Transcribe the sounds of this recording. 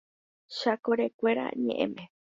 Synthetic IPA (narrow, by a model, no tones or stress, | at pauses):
ʃakoɾekʷeɾa̰ɲḛ̃ʔẽmẽ